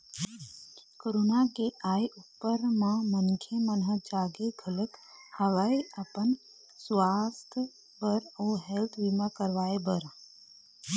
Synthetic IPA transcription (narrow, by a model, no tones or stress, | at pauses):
koɾoːnakeʔaːjʔupːəɾmãmənkʰemənɦəd͡ʒaːɡeɡʱələkhəʋaiʔəpən | sʋaːst̪ʰ | bəɾoːɦelt̪ʰʋimakəɾʋaːebəɾ